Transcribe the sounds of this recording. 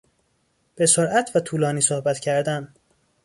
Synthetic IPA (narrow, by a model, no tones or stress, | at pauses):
b̥e̞soɾʔæt̪ʰvæt̪ʰuːlɒːniːsohbæt̪cʰæɾd̪æn